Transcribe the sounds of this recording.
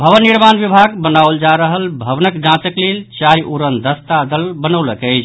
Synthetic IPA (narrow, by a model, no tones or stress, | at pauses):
bʱəʋənːiɾmanʋibʱaɡbənawld͡ʒaɾəɦəlbʱəʋnəkd͡ʒãt͡ʃəklelt͡ʃajʔuɾənd̪əst̪ad̪əlbənəwləkəɪt͡ʃʰ